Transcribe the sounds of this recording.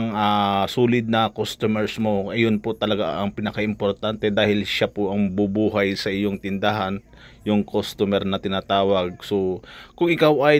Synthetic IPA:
ŋasuːlɪd̪̚nɐkost̪omɛɾsmo̞ʔɐjonpot̪ɐlɐɡa̰ʔɐŋpɪnɐkaʔɪmpoɾt̪ant̪ɛd̪aːhɪlʃapoʔɐŋbubuːɦajsɐʔɪjo̞ŋt̪ɪnd̪aɦan | jʊŋkʰost̪omɛɾnɐt̪ɪnat̪aːwɐɡ̚so̞kʊŋɪkawɐj

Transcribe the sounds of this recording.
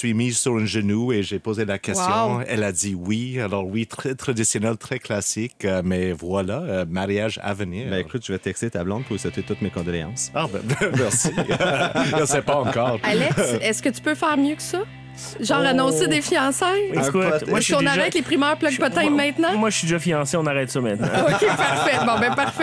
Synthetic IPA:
sɥimizsyʁɛ̃ʒənueʒepozelakʲɛst̪jɔ̃ɛlad̪iwialɔʁwit̪ʁɛt̪ʁad̪isjɔnɛlt̪ʁɛklasɪkəmɛvwalaəmaʁjaʒa̰vəniːʁbɛ̃ekut̪̚ʒyvɛt̪ɛkst̪et̪ablɑ̃d̪̚puʁsɛt̪et̪ut̪mekɔ̃d̪ɔleɑ̰̃sabɛ̃mɛʁsi | əsɛpaɑ̃kɔːʁalɛkɛskət̪y̥pøfɛːʁmjøkə̥sɔ | ʒɑ̃ːʁanɔ̃sed̪efijɑ̃ːsɛ̃ekʊmwasiɔ̃naʁʒɛt̪lepʁimœːʁplaɡ̚pɔt̪ɛ̃mɛ̃t̪nɑ̃mwaʒəsɥid̪eʒafijɑ̃seɔ̃naʁɛt̪sɔmɛ̃t̪nã̰okepaʁfɛbɔ̃bɛ̃paʁfɛ

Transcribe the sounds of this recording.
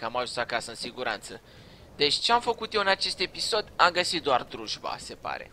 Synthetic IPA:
kəamaʒunsakasəɨnsiɡuɾa̰nt̪sə | d̪e̞t͡ʃʲt͡ʃeamfəkut̪je̞wɨnat͡ʃe̞st̪e̞piso̞d̪amɡəsit̪̚d̪oard̪ɾuʒba̰se̞pa̰ɾe̞̰

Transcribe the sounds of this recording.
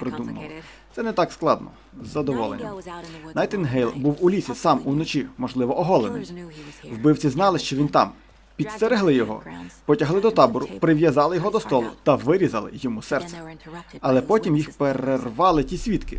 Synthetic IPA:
pɾɪd̪umɐ̰lˠɔ | t̪sɛnɛt̪ɑksklˠɑd̪nɔ̰ | zːɐd̪ɔʋɔlˠḛnʲːɐ̰mnɐjt̪ɪnɦɛjlˠbuwulʲisʲisɑmunɔt͡ʃimɔʒlˠɪʋɔʔɔɦɔlˠenɪ̰jwbɪwt͡sʲiznɑlˠɪʃt͡ʃɔʋʲint̪ɑ̰m | pʲid̪st̪eɾeɦlˠɪjɔɦɔ̰pɔtʲɐɦlˠɪd̪ɔt̪ɑbɔɾʊpɾɪʋʲjɐzɑlˠɪjɔɦɔd̪ɔst̪ɔlˠʊ̰t̪ɐʋɪɾʲizɐlˠɪ̰jɔmusɛrt̪sɛ̥ɐlˠɛpɔtʲimjixpeɾerʋɑlˠɪtʲisʲʋʲit̪kɪ̰

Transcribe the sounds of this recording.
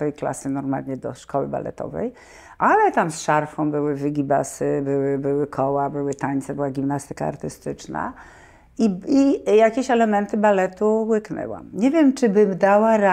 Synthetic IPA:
ɛjkla̰sɘnɔɾma̰lɲɛd̪ɔ̰ʂkɔwɘ̰ba̰lɛ̰t̪ɔ̰vɛ̰j | ʔalɛt̪amsʂaɾfɔ̃w̃bɘwɘvʲɘɡʲiba̰sɘbɘwɘbɘwɘkʰɔwabɘwɘt̪aɲt̪sɛbɘwaɡʲimnast̪ɘ̥ka̰ːɾt̪ɘst̪ɘt͡ʂna̰ | iijakʲeɕɛlɛmɛnt̪ɘbalɛt̪uwɘknɛ̰wa̰mɲɛvʲjɛmt͡ʂɘbɘmd̪awaɾa

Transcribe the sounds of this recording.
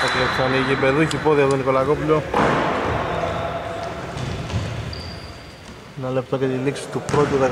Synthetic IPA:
ɐk̪ɾesɐniʝipeðuçipoðiɐt̪oniko̞lakopulo | enɐle̞p̚t̪ocet̪iliksi̥t̪upɾo̞t̪uðe

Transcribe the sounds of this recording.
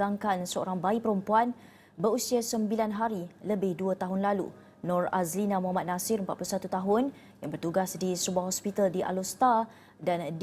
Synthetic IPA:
aŋkansəo̰ɾaŋbaipəɾəmpuan | bəɾusiasəmbilanɦaɾiləbɪhduət̪aɦʊnlalṵ | nɔ̃ra̰zlinãmuɦamat̪̚nasɪɾəmpat̪̚pulusat̪ut̪aɦʊn | jaŋbərt̪uɡasdisəbuahɦɔspit̪aldiʔa̰lost̪a | dand

